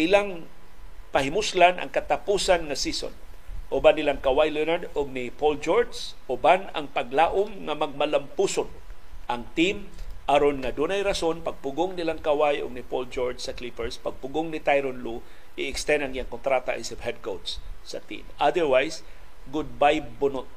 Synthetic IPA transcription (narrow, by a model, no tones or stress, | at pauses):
ʔɪlaŋ | pɐhɪmʊslanʔɐ̰ŋkɐt̪apuːsanŋɐsiso̰n | ʔʊbanːɪlaŋkɐwajlɛnaɹd̪ʊɡ̚nɪpold͡ʒoɹd͡ʒs | ʔʊbanɐ̰ŋpɐɡlaʔomŋɐmɐɡ̚mɐlampuːson | ʔɐŋt̪im | ʔaɾonŋɐd̪uːnajɾɐso̞npɐɡ̚pʊɡoŋnɪlaŋkawajʊ̰ɡ̚nɪpold͡ʒoɹd͡ʒsɐklipɛɹspɐɡ̚pʊɡoŋnɪt̪ajɾonlu | ʔɪɪkst̪ɛnd̪ɐŋɪjaŋkont̪ɾat̪a̰ʔisɪphɛd̪̚kowd̪sːɐ̰t̪ḭmʔad̪ɛɹwajs | ɡʊd̪̚bajbʊnot̪̚